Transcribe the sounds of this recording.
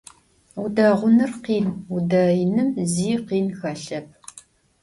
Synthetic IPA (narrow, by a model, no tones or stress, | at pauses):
udaːʁʷʊnɨrqiːnudaːjɪnɨmziːqiːnxɐɬɐp̚ʰ